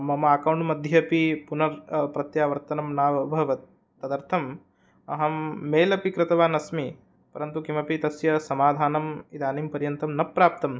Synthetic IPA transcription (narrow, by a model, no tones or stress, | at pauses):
mɐmɐaːkɐwɳʈmɐd̪ʱjɐpipunɐɾpɾɐt̪jaːʋɐɾt̪ɐnɐmnaːʋɐbʱɐʋɐt̪̚ː | ɐd̪ɐɾt̪ʰɐm | ɐ̰ɦɐmːeːlɐpikɾɪt̪ɐʋaːnɐsmi | pɐɾɐnt̪ukimɐpit̪ɐsjɐsɐmaːd̪ʱaːnɐmid̪aːnimpɐɾjɐnt̪ɐmnɐpːɾaːp̚t̪ɐm